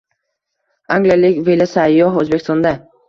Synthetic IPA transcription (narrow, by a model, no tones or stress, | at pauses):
aŋɡlijalɪkʲvelasajːɒɦøzbekʰʲɪst̪ond̪a